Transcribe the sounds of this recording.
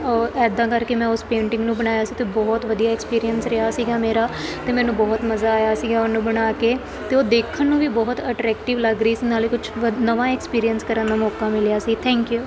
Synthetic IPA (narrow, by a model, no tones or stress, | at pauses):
ɔɛːd̪ãːkəɾkeːmɛ̃ːʊspẽːɳʈɪ̃ŋɡnũːbəñaːjaːsiːt̪eːbɔːt̪ʋəd̪ijaːɛːkspiːɾijənsɾɪɦaːsiːɡaːmeːɾaːt̪eːmɛ̃ːnũːbɔːt̪məzaːaːjaːsiːɡaːʊnːũːbəɽ̃aːkeː | t̪eːoːd̪eːkʰənːũːʋiːbɔːt̪əʈɾɛːkʈɪʋləɡɾəiːsiːnaːliːkʊt͡ʃʰnəʋãːɛkspiːɾijənskəɾənd̪aːmɔːkaːmɪljaːsiːt̪ʰɛ̃ːŋkjuː